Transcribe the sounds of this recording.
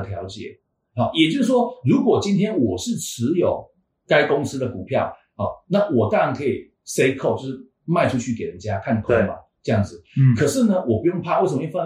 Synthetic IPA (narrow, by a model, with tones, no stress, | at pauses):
t̪ʰjɑ˧˥ʊt͡ɕjɛ̰˨˩˦ | hɑ˨˩jɛ˨˩t͡ɕjo˥˧ʊʂ̩˥˩ʂwɔ˥ɻu˧˦˥kwɔ˨˩t͡ɕi˥nt̪ʰjɛ˥nwɔ˨˩ʂɻ̩˥˩ʈ͡ʂʰɻ̩˧˦jo˨˩ʊ | ka˥ɪkʊ˥ŋs̩˥d̪ə˨ku˨˩pʰjɑ˥˩ʊ | hɔ̰˨˩na˥˩wɔ˨˩t̪aɑ˥ɻa˧˥nkʰɤ˧˥i˨˩ | se˥ɪkʰʊt͡ɕjʊʂ̩˥˩ | ma˥˧ɪʈ͡ʂʰu˥t͡ɕʰy˥˩ke˨˩ɪɻə˦nt͡ɕja˦˥kʰa˥˩n˨˩kʰo˥ma̰˨˩ | ʈ͡ʂɤ˥˧jɑ˥˩ŋd͡zɹ̩˩kʰə˨˩ʂɻ̩˥˩nə˧wɔ˨˩pu˧˥jŋpʰa˥˧wsə˨˧m˧˦˧j